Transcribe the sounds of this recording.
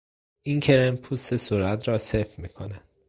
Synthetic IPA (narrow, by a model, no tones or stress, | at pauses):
ʔiŋcʰe̞ɾempʰusesuːɾæt̪ʰɾɒːsefmiːkʰonæ